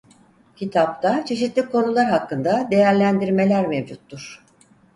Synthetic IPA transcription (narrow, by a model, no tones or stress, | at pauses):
cʰit̪ʰap̚t̪at͡ʃʰe̞ʃit̪lʲikʰo̞nulˠaɾɦakːɯnd̪ad̪e̞jæɾlʲænd̪iɾme̞lʲæɾmevd͡ʒut̪ːuɾ̥